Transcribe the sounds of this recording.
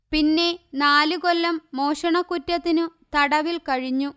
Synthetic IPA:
pinːe̞naːlukolːɐmːo̞ːʂɐɳɐkːutːɐt̪ːinut̪ɐɽɐʋilkɐɻiɲːu

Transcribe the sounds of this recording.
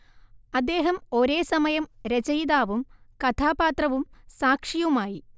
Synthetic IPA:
ɐd̪ːe̞ːɦɐmo̞ɾe̞ːsɐmɐjɐmɾet͡ɕɐjd̪aːʋumkɐt̪ʰaːpaːt̪rɐʋumsaːkʂijɐʋumaːji

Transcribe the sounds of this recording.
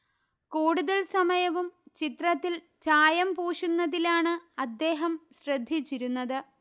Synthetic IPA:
kuːɽuðɐlsɐmɐjɐʋumt͡ɕit̪rɐt̪ːil | t͡ɕaːjɐmpuːʂunːɐðilaːɳɨɐd̪ːe̞ːɦɐmɕrɐd̪ʱːit͡ɕːiɾunːɐðɨ

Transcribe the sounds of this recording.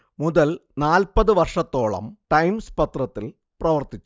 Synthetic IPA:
muðɐlnaːlpɐðɨʋɐrʂɐt̪ːo̞ːɭɐ̰mʈɐjmspɐt̪rɐt̪ːil | prɐʋɐrt̪it͡ɕːu

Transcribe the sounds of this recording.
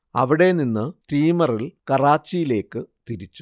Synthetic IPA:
ɐ̰ʋiɽe̞ninːɨsriːmɐrilkɐraːt͡ɕːijile̞ːkːɨt̪iɾit͡ɕːu̥

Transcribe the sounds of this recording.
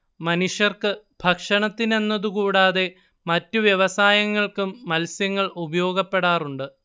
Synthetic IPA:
mɐnuʂjɐrkɨ | bʱɐkʂɐɳɐt̪ːine̞nːɐðukuːɽaːðe̞ | mɐtːuʋjeʋɐsaːjɐŋːɐɭkumːɐlsjɐŋːɐɭubɐjo̞ːɡɐpːe̞ɽaːruɳɖɨ

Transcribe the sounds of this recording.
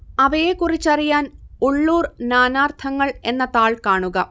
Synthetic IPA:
ɐʋɐjekurit͡ɕːɐrijaːnuɭːuːrnaːnaːrt̪ʰɐŋːɐɭe̞nːɐt̪aːɭkaːɳuɣɐ

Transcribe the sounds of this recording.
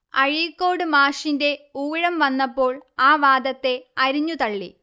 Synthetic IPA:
ɐ̰ɻikːo̞ːɽɨmaːʂinde̞uːɻɐmʋɐnːɐpːo̞ːɭaːʋaːd̪ɐt̪ːe̞ɐɾiɲːut̪ɐɭːḭ

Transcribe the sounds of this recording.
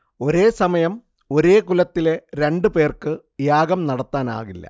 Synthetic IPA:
o̞ɾe̞ːsɐmɐjɐm | o̞ɾe̞ːkulɐt̪ːile̞ɾe̞ɳɖɨpe̞ːrkɨ | jaːɡɐmnɐɽɐt̪ːaːna̰ːɣilːɐ̰

